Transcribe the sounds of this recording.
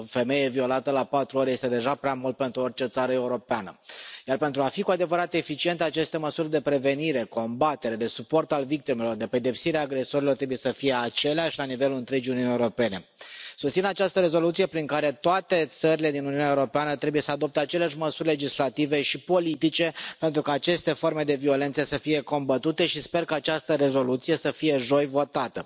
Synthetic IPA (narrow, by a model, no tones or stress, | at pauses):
fe̞me̞jevio̞lat̪əlapat̪ɾuoɾeje̞st̪e̞d̪e̞ʒapɾeamult̪̚pe̞nt̪ɾuort͡ʃe̞t̪saɾəe̞uɾo̞peanə̰jarpent̪ɾuafikuad̪e̞vəɾat̪e̞fit͡ʃie̞nt̪eat͡ʃe̞st̪e̞məsurʲd̪e̞pɾe̞ve̞niɾe̞ko̞mbat̪e̞ɾed̪e̞supo̞rt̪alvik̚t̪ime̞lo̞rd̪e̞pe̞d̪e̞psiɾeaːɡɾe̞so̞ɾilo̞rt̪ɾebuje̞səfije̞at͡ʃe̞leaʃʲlanive̞luɨnt̪ɾe̞d͡ʒiuniunjeuɾo̞pe̞ne̞sust̪sinat͡ʃast̪əɾe̞zo̞lut̪sije̞pɾiŋkaɾe̞t̪oat̪e̞t̪səɾile̞d̪inuniunaeuɾo̞peanət̪ɾe̞buje̞səad̪o̞p̚t̪eat͡ʃe̞leaʃ̬ʲməsurʲle̞d͡ʒislat̪ive̞ʃipo̞lit̪it͡ʃe̞pe̞nt̪ɾukaːt͡ʃe̞st̪e̞fo̞rme̞d̪e̞vio̞le̞nt̪səsəfije̞ko̞mbət̪ut̪e̞ʃispe̞rkaːt͡ʃast̪əɾe̞zo̞lut̪sije̞səfije̞ʒo̞jvo̞t̪at̪ə